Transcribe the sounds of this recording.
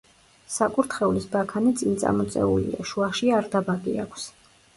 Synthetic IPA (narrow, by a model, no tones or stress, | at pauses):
sakʼuɾt̪ʰχɛulisbakʰanit̪sʼint̪sʼa̰mɔt̪sʼɛ̰ṵlḭa̰ʃuaʃiaɾd̪abaɡʼiakʷʰs